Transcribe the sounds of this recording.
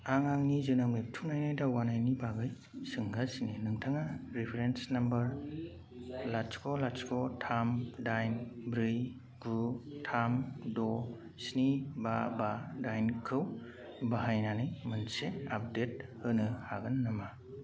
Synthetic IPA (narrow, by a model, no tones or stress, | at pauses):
aŋaŋnizɯnamep̚tʰunajnɯjdawɡanajnibaɡɯj | sɯŋɡasninɯŋtʰaŋaɾipʰeɾensnambɐɾ | laskʰɔlaskʰɔtʰamdajnbɾɯj | ɡɾutʰamdɔ | snibabadajnkʰɯw | baɦajnanɯjmɯnseap̚det̚hɯnɯhaɡɯnːama